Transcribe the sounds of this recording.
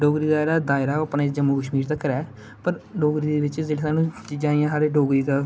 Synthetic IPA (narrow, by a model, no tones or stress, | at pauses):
ɖoːɡɾiːd̪aːɾaːd̪aːɪɾaːəːpnaːd͡ʒəmːuːkəʃmiːɾt̪akːəɾɛː | pəɾɖoːɡɾiːd̪eːʋɪt͡ʃd͡ʒeːɽesaːnũːt͡ʃiːd͡ʒãːijãːsaːɾeːɖoːɡɾiːk̪ə